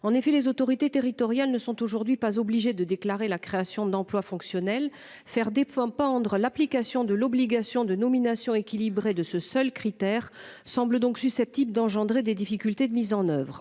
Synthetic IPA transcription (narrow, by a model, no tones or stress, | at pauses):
ɑ̃nefɛlezot̪ɔʁit̪et̪eʁit̪ɔʁjalnəsɔ̃t̪oʒuʁd̪ɥipazɔbliʒed̪əd̪eklaʁelakχeasjɔ̃d̪ɑ̃plwafɔ̃ksjɔnɛl | fɛʁd̪epɑ̃pɑ̃d̪ʁəlaplikasjɔ̃d̪əlɔbliɡasjɔ̃d̪ənɔminasjɔ̃ekʲilibʁed̪əsəsœlkχit̪ɛʁsɑ̃bləd̪ɔ̃ksysɛp̚t̪ibləd̪ɑ̃ʒɑ̃d̪ʁed̪ed̪ifikʲylt̪ed̪əmizɑ̃nœvʁ